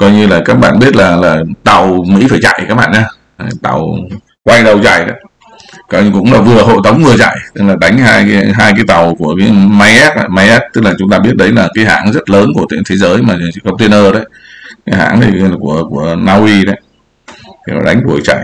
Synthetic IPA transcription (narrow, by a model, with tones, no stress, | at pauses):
kɔ˧jɲɨ˧laː˨˩kaː˦˥k̚ɓaː˧˨nɓi˦˥ət̚laː˨˩laː˨˩t̪a˨˩wmḭ˧˥faː˧˩jt͡ɕa̰˧˨jkaː˦˥k̚ɓa̰ː˧nɲaː˧˨ | t̪a̰˨˩w | kwa˧jɗə˨˩wt͡ɕa̰˧˩jɗə˨˦ | kɔ˨˧kʊ̰˧˥ŋ͡mlaː˨˩vɨ˨˩əɦo̰˧˨jt̪ə˨˦wŋ͡mmɨ˨˩ət͡ɕa̰˧˨jt̪ɨ˦˥k̚laː˨˩ɗa˨˦jŋ̟ɦaː˧jɦaː˧jkaː˨˦jt̪a˨˩wku˧˩əkaː˨˦jma˧jʔɛ˦˥t̚a̰˧˩ma˧jʔɛ˦˥p̚t̪ɨ˦˥k̚laː˨˩t͡ɕʊ˨˦ŋ͡mt̪aː˧ɓi˦˥ət̚ɗə˨˦jlaː˨˩kaː˨˦jɦa̰ː˧˩ŋzə˦˥t̚ləː˨˦nku˧˩ət̪ḭ˧˨nt̪ʰe˨˦zəː˨˦jmaː˨˩˨kə˧wŋ͡mt̪i˧ənʔəː˧ɗə˨˦j | kaː˨˦ɦa̰ː˧˥ŋi˨˩˨ku˧˩əku˧˩ənaː˧wʔi˧ɗə˨˦jʰ | ɔ̰˨˩ɗa˨˦jŋ̟ɗu˧˩əjt͡ɕa̰˧˨j